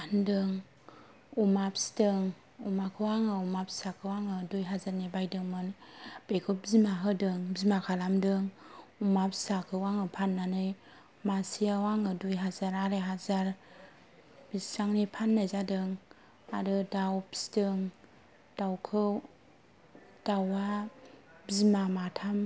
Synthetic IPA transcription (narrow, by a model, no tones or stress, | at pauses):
andɯŋ | umapstɯŋ | umakʰɯwaŋɯumapsakʰɯwaŋɯdujɦazaɾnibajdɯŋmɯnb̥ekʰɯbzimaɦɯdɯŋbzimakʰalamdɯŋumapsakʰɯwaŋɯpʰanːanɯj | masiawaŋɯdujɦazaɾaɾeɦazaɾ | b̥isaŋnipʰanːazadɯŋ | aɾɯdawpi̥sdɯŋ | d̥awkʰɯ | d̥awa | bizmamatʰam